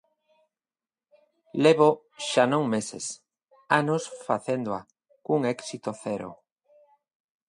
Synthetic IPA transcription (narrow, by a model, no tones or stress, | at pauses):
leβo | ʃanõŋmesḛs | anosfaθend̪oa | kuŋɛksit̪oθɛɾo̰